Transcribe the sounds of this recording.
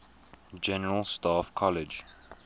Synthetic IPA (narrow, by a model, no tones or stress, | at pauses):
d͡ʒɛnəɹəlˠstaːfkʰɔlɪd͡ʒ